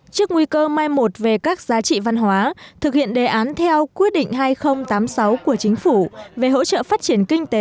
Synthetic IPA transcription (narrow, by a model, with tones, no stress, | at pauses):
t͡ɕɨ˦˥ək̚ŋwi˧kəː˧maː˧jmo˨˩t̚ve˨˩kaː˦˥k̚zaː˨˦t͡ɕḭ˧˨va˧nɦwaː˨˦t̪ʰɨ˨˩k̚hḭ˧˨ənɗe˨˩ʔaː˨˦nt̪ʰɛ˧wkwi˦˥ət̚ɗḭ̈˧˨ŋ̟ɦaː˧jxə˧wŋ͡mt̪aː˨˦msa˨˦wku˧˩ət͡ɕï˨˦ŋ̟fu˧˩ve˨˩ɦo̰˧˥t͡ɕə̰˧˨faː˦˥t̚t͡ɕi˧˩ənkï˧ŋ̟t̪e˨˦